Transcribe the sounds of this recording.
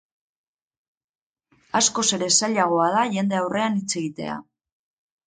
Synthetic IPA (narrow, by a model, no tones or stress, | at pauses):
asko̞se̞ɾe̞saʎaɣ̞o̞að̞aʝe̞nd̪e̞awre̞anit͡se̞ɣit̪e̞̰a̰